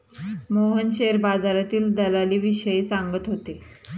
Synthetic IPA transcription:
moɦənɕeɾbad͡zaɾat̪iːld̪əlaliːʋiɕəiːsaŋɡət̪ɦot̪e

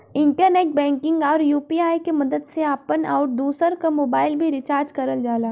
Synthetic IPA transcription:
ɪ̃ɳʈəɾneːʈ̚bɛ̃ːŋkɪ̃ŋɡɔːɾjuːpiːaːjkemɐd̪əd̪seaːpəna̰ːʊʈ̚d̪uːsəɾkamoːbaːɪlbʱiɾɪt͡ʃaːɾd͡ʒkɐɾəld͡ʒaːlaː

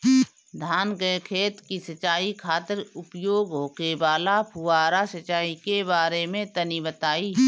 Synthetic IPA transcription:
d̪ʱaːnɡəkʰeːt̪kisət͡ʃaːikʰaːt̪əɾʊpjoːɡɦoːkebaːlapʰʊwaːɾasət͡ʃaːikebaːɾemẽt̪ənibət̪aːiː

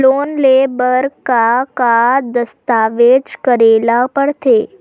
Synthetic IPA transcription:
lonlebəɾkakad̪əst̪aʋed͡ʒkəɾelapəɽt̪ʰe

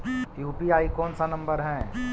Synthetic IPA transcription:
kiupiaːikɔːnsanɐ̃mbəɾɦɛ̃ː

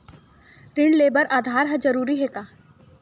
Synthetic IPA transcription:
ɾɪɳɖleːbəɾʔaːd̪ʱaːɾɦɛd͡ʒɐɾuːɾiɦɛkaː

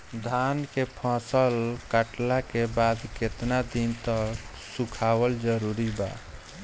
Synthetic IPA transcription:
d̪ʱankepʰãsəlkəʈlakebad̪ket̪nad̪int̪ək | sukʰawəld͡ʒəɾuɾiba̰

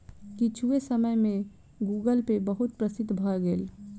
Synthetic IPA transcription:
kit͡ʃʰuesəməjmẽ | ɡuːɡəlpebəɦʊt̪̚pɾəsɪd̪bʱəɡeːl

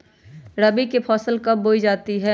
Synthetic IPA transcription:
ɾɐbikepʰɔːsəlkɐp̚boːid͡ʒaːt̪iɦɛ

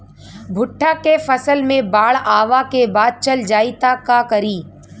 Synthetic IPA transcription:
bʱʊʈʰːakefɐsəlmẽbaːɭaːʋakebaːd̪̚t͡ʃɐld͡ʒaːit̪akakɐɾiː

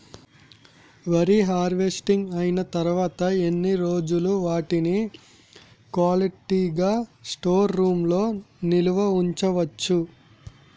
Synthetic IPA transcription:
ʋɐɾiɦaːɾʋe̞sʈiŋɡɐjinɐt̪ɐɾuʋaːt̪ɐenːiɾo̞ːd͡ʒuluʋaːʈini | kʋaːliʈiɡaːsʈoːɾːuːmlo̞ːniluʋɐuɲt͡ʃɐʋɐt͡ʃːu

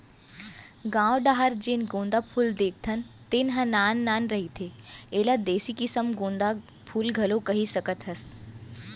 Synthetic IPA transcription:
ɡãːʋɖaːɦəɾd͡ʒenɡõːnd̪apʰuːld̪eːk̚ʰt̪ʰənt̪enɦə̃naːnːaːnɾɐɦit̪ʰeeːlad̪eːsikɪsəmɡõːnd̪a | pʰuːlɡʱɐlokɐɦisɐkət̪ɦəs

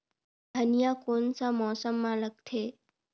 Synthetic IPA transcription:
d̪ʱənjakonsamɔsəmːãlək̚t̪ʰe

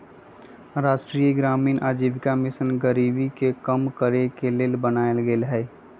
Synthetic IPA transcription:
ɾaːʃʈɾiːeɡɾaːmiːnʔaːd͡ʒiːʋɪkamɪsənɡəɾiːbikekəmkəɾekeleːlbənaːelɡeːlɦɛː

